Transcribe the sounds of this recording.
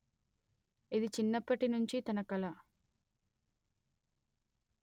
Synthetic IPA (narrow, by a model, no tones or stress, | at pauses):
id̪it͡ʃinːɐpːɐʈinuɲt͡ʃit̪ɐnɐkɐlɐ